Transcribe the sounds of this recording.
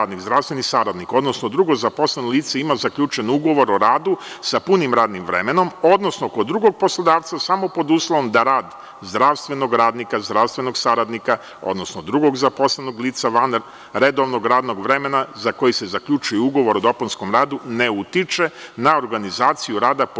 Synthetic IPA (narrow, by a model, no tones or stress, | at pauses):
d̪niɡzd̪ɾaʋst̪ʋenisaɾad̪niko̞d̪nosnod̪ɾuɡozapo̞slenolˠiːt̪seimazakʎʲut͡ʃe̞nuɡo̞ʋo̞ɾoɾaːd̪usapunimɾaːd̪nimʋɾe̞̰meno̞mo̞d̪no̞snokod̪ːɾuɡo̞ɡ̚po̞slˠod̪aːʋt̪sasamo̞po̞d̪uslˠoʋomd̪aɾaːd̪ | zd̪ɾaʋst̪ʋe̞no̞ɡɾaːd̪nikazd̪ɾaʋst̪ʋe̞noɡsaɾad̪nika | o̰d̪no̞snod̪ɾuɡo̞ɡzapo̞slenoɡliːt̪saʋan | ɾe̞d̪o̞ʋno̞ɡɾaːd̪no̞ɡʋɾe̞me̞nazako̞jise̞zaklʎut͡ʃujeuɡo̞ʋo̞ɾod̪o̞ponsko̞mɾaːd̪une̞ut̪it͡ʃenaoɾɡanizaːt̪sijuɾaːd̪a